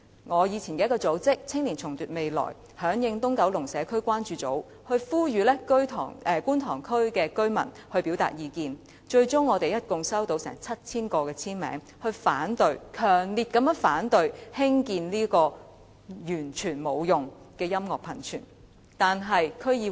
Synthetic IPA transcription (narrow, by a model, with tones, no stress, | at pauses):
ŋɔː˨˧jiː˨˧t͡sʰiː˨˩nkɛː˧jkɔː˧t͡so˨˥wt͡sɪ˥k̚t͡sʰɪ˥ŋliː˨˩nt͡sʰʊ˨˩ŋt̪yː˨˩t̚me˨jlɔ̰ː˨˩j | hœː˨˥ŋjɪ˧ŋt̪ʊ˥ŋkɐ˨˧˥wlʊ˨˩ŋsɛː˨˧kʰɵ˥ɥkʷwaː˥nt͡ʃyː˧t͡so̰˨˥w | hɵ˧ɥfuː˥jyː˨˧lɛː˥kɵ˥ɥt̪ʰɔ̰ː˨ɛ˨˩kuː˥nt̪ʰɔː˨˩ŋkʰɵ˥ɥkɛː˧kɵ˥ɥmɐ̰˨˩nhɵ˧ɥpiː˨˥wt̪a̰ː˨t̚jiː˨˧kiː˧n | t͡ʃɵ˧ɥt͡sʊ˥ŋːɔː˨˧t̪e˨jɐ˦˥t̚kʊ˨ŋsɐ˥wt̪o˧wsɛ̰˨˩ŋt͡sʰɐ˥t̚t͡sʰiː˥nkɔː˧kɛː˧t͡sʰiː˥nmɛ̰ː˨˥ŋ | hɵ˧ɥfaː˨˥nt̪ɵ˧ɥkʰœː˨˩ŋliː˨t̚kɐ˨˥mjœː˥ŋfaː˨˥nt̪ɵ˧ɥhɪ˥ŋkiː˧nliː˥kɔː˧ | jyː˨˩nt͡ʃʰyː˨˩nmo˨˧wjʊ˨ŋ | kɛː˧jɐ˥mŋɔː˨˩k̚pʰɐ˨˩nt͡ʃʰy̰ː˨˩n | t̪aː˨nɦɐ˨jkʰɵ˥ɥjiː˧